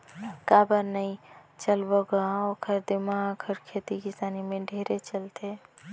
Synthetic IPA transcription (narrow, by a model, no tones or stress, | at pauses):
kabəɾnəit͡ʃəlbɔɡaokʰəɾd̪imaəkʰəɾkʰet̪ikisanimẽɖʱeɾet͡ʃəlt̪ʰe